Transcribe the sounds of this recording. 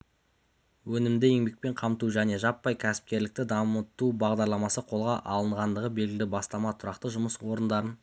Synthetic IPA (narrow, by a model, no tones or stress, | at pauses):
wɵnɪmd̪ɪe̞ŋbe̞k̚pe̞ɴqʰɑmt̪uʒæne̞ʒɑpːɑjkʲʰæsɪ̥p̚kʲe̞ɾlɪk̚t̪ɪd̪ɑmət̪ubɑʁd̪ɑɾlˠɑmɑsəqʰo̞lˠʁɑʔɑlˠəɴʁɑnd̪əʁəbe̞lɡʲɪlɪbɑst̪ɑmɑt̪ʰʊɾɑqt̪əʒʊməswo̞ɾənd̪ɑɾən